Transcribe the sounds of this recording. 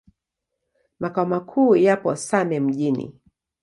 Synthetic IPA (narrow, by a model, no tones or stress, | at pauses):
makaɔmakʰuːjapɔsamɛm̩ʄinḭ